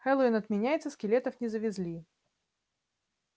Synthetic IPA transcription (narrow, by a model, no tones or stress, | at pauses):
xɛlˠoɪnɐt̪mʲɪnʲæjɪt̪səskʲɪlʲet̪əfnʲɪzəvʲɪzʲlʲi